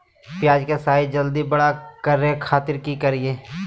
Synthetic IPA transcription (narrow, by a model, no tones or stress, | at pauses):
pɪjaːd͡ʒkesaːid͡ʒəld̪ibɐɽakɐɾːekʰaːt̪ɪɾkikɐɾieː